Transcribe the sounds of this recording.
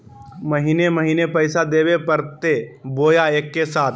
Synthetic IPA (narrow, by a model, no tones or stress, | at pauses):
mɐɦiːnemɐɦiːnepɛɪsad̪eːwepɐɾt̪eboːjaeːkːesaːt̪